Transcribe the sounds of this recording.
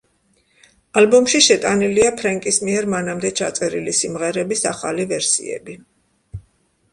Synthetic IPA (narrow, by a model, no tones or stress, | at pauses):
albɔmʃiʃɛt̪ʼaniliapʰɾaŋkʼismiɛɾmanamd̪ɛt͡ʃʰat̪sʼɛɾilisimʁɛɾɛbisaχalivɛɾsḭɛ̰bi